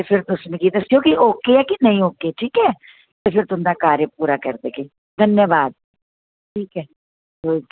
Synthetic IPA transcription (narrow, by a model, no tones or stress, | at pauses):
t̪epʰɪɾt̪ʊsnekid̪əsɪjoːkɪʔoːkeɛːkinəĩːoːkeːʈʰiːkɦɛː | t̪epʰɪɾt̪ʊnd̪aːkaːɾjəpuːɾakəɾd̪eːke | d̪ʱənjəʋaːd̪̚ | ʈʰiːkɛː | oːi